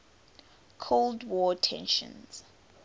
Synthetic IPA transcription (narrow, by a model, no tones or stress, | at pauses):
kʰoldwɔtʰɛ̰̃nʃə̰̃nz̥